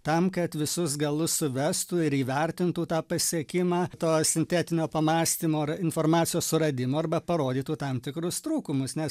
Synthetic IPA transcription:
t̪ɐmkɐt̪ʋʲɪsʊsɡɐlˠʊssʊʋʲɛst̪uːɪɾiːʋʲɛɾʲt̪ʲɪnt̪uːt̪ɑːpɐsʲiɛkʲɪmɑːt̪oːsʲɪnʲt̪ʲæːt̪ʲɪnʲoːpɐmɑːsʲt̪ʲiːmoːɪnfoːɾmɑːt͡sʲsʲɪjoːssʊɾɐd̪ʲɪmoːɐrbɐpɐɾoːd̪ʲiːt̪uːt̪ɐmt̪ʲɪkɾʊst̪ɾuːkʊmʊsnʲɛs

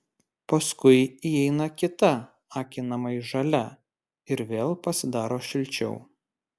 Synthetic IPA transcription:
pɐskʊɪiɛɪnɐkʲɪt̪ɐ | ɑːkʲɪnɐmɐiʒɐlʲɛ | ɪɾʋʲeːlˠpɐsʲɪd̪ɑːɾoːʃʲɪlʲˑt͡ʃʲɛ̰ʊ

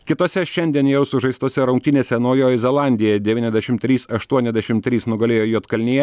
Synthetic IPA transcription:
kʲɪt̪oːsʲɛʃʲɛnʲd̪ʲiɛnjɛʊsʊʒɐɪst̪oːsʲɛɾɐʊŋk̚t̪ʲɪnʲeːsʲɛnɐʊjoːjɛzʲɛlˠɑˑnʲd̪ʲɪjɛd̪ʲɛʋʲiːnʲɛzʲd̪ʲæɛʃʲɪmt̪ʲɾʲiːsɐʃt̪uɔnʲɛzʲd̪ʲæɛʃʲɪmt̪ʲɾʲiːsnʊɡɐlʲeːjoːjuːt̪kɐlʲnʲejɛ

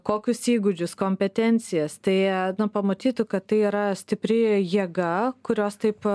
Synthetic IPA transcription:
koːkʲʊsiːɡʊd͡ʒʲʊskoːmʲpʲɛt̪ʲɛnʲt͡s̪ʲɪjɛst̪ɐɪnʊpɐmɐt̪ʲiːt̪ʊkɐt̪tɐɪiːɾɐsʲt̪ʲɪpʲɾʲɪjiɛɡɐkʊɾʲoːst̪ɐɪp

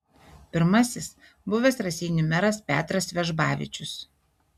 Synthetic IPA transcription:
pʲɪɾmɐsʲɪs | bʊʋʲɛsɾɐsʲiːnʲʊmʲɛɾɐspʲæːt̪ɾɐsʋʲɛʒbɑːʋʲɪ̰t͡ʃʲʊs

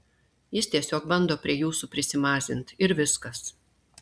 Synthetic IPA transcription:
jɪst̪ʲiɛsʲoːk̚bɐnd̪oːpʲɾʲiɛjuːsupʲɾʲɪsʲɪmɑːzʲɪnt̪ɪɾʋʲɪskɐs

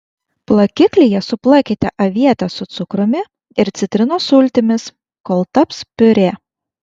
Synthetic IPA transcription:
plˠɐkʲɪklʲijɛsʊplˠɑˑkʲet̪ʲɛʔɐʋʲiɛt̪ɐsʊt̪sʊkɾʊmʲɪ | ɪɾt̪sʲɪt̪ʲɾʲɪnoːsʊlʲt̪ʲɪmʲɪs | koːlˠt̪ɐpspʲʊɾʲeː

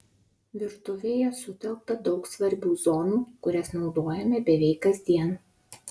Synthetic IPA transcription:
ʋʲɪɾt̪ʊʋʲejɛsʊt̪ʲɛlˠk̚t̪ɐd̪ɒʊksʋɐɾʲbʲuːzɔːnuːkʊɾʲɛsnɒʊd̪oːjɛmʲɛbʲɛʋʲɛɪkkːɐzʲd̪ʲiɛn

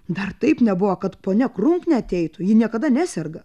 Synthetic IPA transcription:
d̪ɐrt̪ɐɪpnʲɛbʊʋɐkɐt̪poːnʲɛkrʊŋknʲɛɐt̪ʲɛɪt̪ʊjɪnʲiɛkɐd̪ɐnʲæːsʲɛrɡɐ

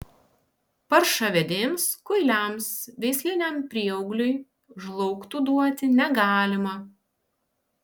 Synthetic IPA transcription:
pɐɾʃɐʋʲed̪ʲeːmskʊɪlʲæmsʋʲɛɪsʲlʲɪnʲɛmpʲɾʲiɛɔʊɡlʲʊj | ʒlˠɔʊkt̪uːd̪uɔt̪ʲɪnʲɛɡɑːlʲɪmɐ

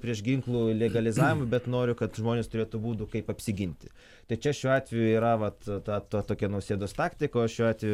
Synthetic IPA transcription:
pʲɾʲiɛʃɡʲɪŋklˠuːlʲɛɡɐlʲɪzɑːʋʲɪmʊbʲɛt̪noːɾʲʊkɐt̪ʒmoːnʲeːst̪ʊɾeːt̪ʊbuːt̪ʊkɐɪpɐpʲsʲɪɡʲɪnʲt̪ʲɪ | t̪ɐɪt͡ʃʲɛʃʲuːɑːt̪ʲʋʲɛjʊiːɾɐʋɐt̪t̪ɑːt̪oːt̪oːkʲɛnɐʊsʲeːd̪oːst̪ɑːkt̪ʲɪkoːʃʲuːɑːt̪ʋʲɛjʊ

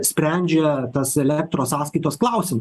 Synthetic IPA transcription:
sʲpʲɾʲæˑnʲd͡ʒʲɛt̪ɐsɛlʲɛk̚t̪ɾoːssɑːskɐɪt̪oːsklˠɑˑʊsʲɪm

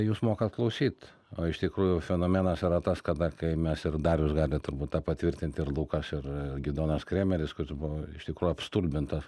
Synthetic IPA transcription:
juːsmoːkɐt̪̚klˠɐʊsʲiːt̪ | oːɪʃt̪ʲɪkɾuːjʊfʲɛnoːmʲɛnɐsɪɾɐt̪ɐskɐd̪ɐkɐɪmʲɛsɪrd̪ɑɾjʊsɡɑːlʲɪt̪ʊɾbuːt̪t̪ɑːppɐt̪ʲʋʲɪɾʲt̪ʲɪnʲt̪ʲɪrlˠuːkɐsɪrɡʲid̪oːnɐskɾʲeːmʲɛlʲɪskʊɾʲɪsbʊʋoɪʃt̪ʲɪkɾuːjʊɐpst̪uːlʲbʲɪnt̪ɐs

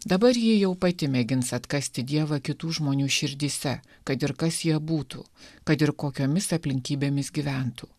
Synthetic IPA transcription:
d̪ɐbɐɾjiːjɛʊpɐt̪ʲɪmʲɛɡʲɪnsɐt̪kɐsʲt̪ʲɪd̪ʲiɛʋɐkʲɪt̪uːʒmoːnʲuːʃʲɪɾʲd̪ʲiːsʲɛ | kɐt̪ɪɾkɐsjiɛbuːt̪ṵːkɐt̪ɪɾkoːkʲoːmʲɪsɐpʲlʲɪŋʲkʲiːbʲeːmʲɪsɡʲiːʋʲæˑnt̪uː

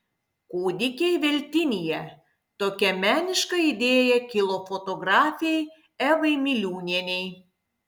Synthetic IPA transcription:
kuːd̪ʲɪkʲejʋʲɛlʲt̪ʲɪnʲijɛ | t̪oːkʲɛmʲæːnʲɪʃkɐid̪ʲeːjɛkʲɪlˠofot̪oɡɾɑːfʲiej | ɛʋɐɪmʲɪlʲuːnʲɛnʲej

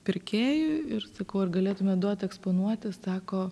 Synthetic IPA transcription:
pʲɪɾʲkʲeːjʊɪrsɐkɐʊɐrɡɐlʲeːt̪ʊmʲɛd̪uɔt̪ʲɛkspoːnuɔt̪ʲɪsɑːkoː

